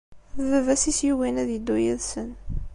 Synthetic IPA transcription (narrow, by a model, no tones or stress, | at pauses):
vəvæsisjiwinæðjəd̪ːujiðsən